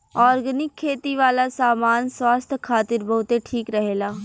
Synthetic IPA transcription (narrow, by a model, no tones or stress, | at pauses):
ɔːɾɡənɪkʰːeːt̪iʋaːlasaːmaːnswaːst̪ʰkʰaːt̪ɪɾbɐɦʊt̪eʈʰiːkɾɐɦeːlaː